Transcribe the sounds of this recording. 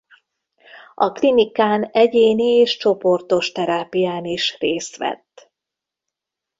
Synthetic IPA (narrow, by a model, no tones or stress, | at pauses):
ɒklinikaːnɛɟeːnieːʃt͡ʃo̞po̞rt̪o̞ʃt̪ɛɾaːpijaːniʃreːst̪ʋɛ̰t̪ː